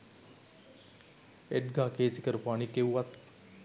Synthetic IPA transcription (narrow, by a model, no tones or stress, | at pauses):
eʈɡaːkeːsikəɾpaːnikːeʋuʋat̪